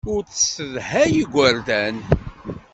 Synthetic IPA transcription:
ʊɾt͡ssəðhæjiɡʷːæɾd̪æn

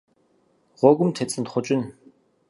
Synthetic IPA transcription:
ʁʊɣə̆mt̪ʰet͡sɘ̆nt̪χʊt͡ɕɪ̆n

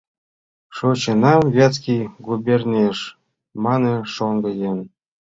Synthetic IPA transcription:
ʂot͡ɕɤ̆nɑmvʲɑt͡skʲijɡubʲernʲeʂ | mɑnɤ̆ʂoŋɡɤ̆jen

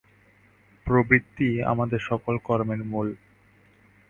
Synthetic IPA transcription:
pɾobɾit̪ːia̰mad̪eɾʃɔkolkɔɾmenmul

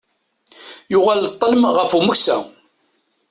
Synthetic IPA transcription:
jʊʁalt̪ˤːələmʁəfuməksæ̰

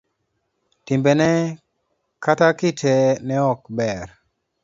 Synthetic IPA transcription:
timbɛnɛ | katakɪtʰɛnɛɔkbɛɾ

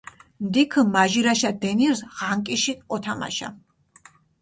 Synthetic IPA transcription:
md̪ikʰəmaʒiɾaʃad̪ɛniɾsʁaŋkʼiʃiɔt̪ʰama̰ʃa̰

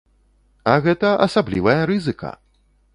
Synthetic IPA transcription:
ɐɣɛt̪ɐʔɐsablʲḭvɐjɐɾɨzɨkɐ̰

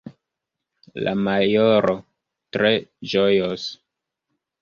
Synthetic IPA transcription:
la̰majoɾo | tɾe̞d͡ʒojos

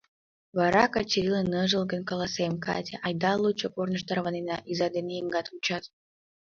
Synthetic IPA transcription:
βɑɾɑkɑt͡ɕiɾʲilənəʒəlˠɡənkɑlɑsemkɑ̰t̪ʲeʔɑjd̪ɑlˠːut͡ɕopornə̆ʃt̪ɑrβɑnenɑʔizɑd̪enejəŋɡɑt̪ut͡ɕɑt̪

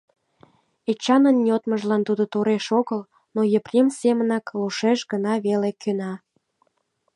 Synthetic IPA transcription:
et͡ɕɑnənːʲiot̪məʒlɑnt̪ud̪ot̪oɾeʃoɣəl | nojəprʲemsemənɑkluʃeʃɡənɑβelekʰønɑ

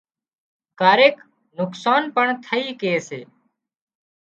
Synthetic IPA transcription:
kaːɾeːk | nʊksaːnpəɳt̪ʰəiːkeːseː

